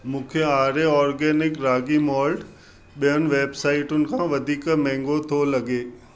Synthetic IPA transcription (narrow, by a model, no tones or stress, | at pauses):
mũːkʰeaːɾeɔːɾɡɛːnɪkɾaːɡimɔːlɖ | ɓijənɪ̆ʋeːbsaːɪʈʊnɪ̆kʰãʋɐd̪ʱiːkmɛ̃ːŋɡot̪ʰolɐɡeː